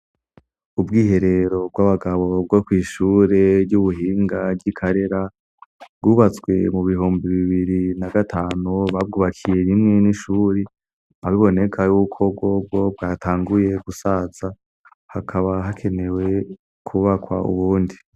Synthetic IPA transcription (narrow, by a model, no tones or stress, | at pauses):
ubɡiːɦe̞ɾe̞ɾo̞b̚ɡwaβaɡaβo̞b̚ɡokwiːʃuːɾe̞bɟuβuɦiːŋɡaɡikʰaɾe̞ɾa | bɡuːβat͡swe̞muβiɦuːmbiβiβiɾinaɡatʰaːnuβab̚ɡuːβakʰije̞ɾimŋe̞niʃuːɾi | aβiβo̞ne̞kʰajukʰo̞b̚ɡo̞b̚ɡo̞bɡaːtʰaːŋɡuje̞ɡusaz̥a | hakʰaβaɦakʰe̞ne̞we̞ | kʰuβakwa̰ṵβuːndi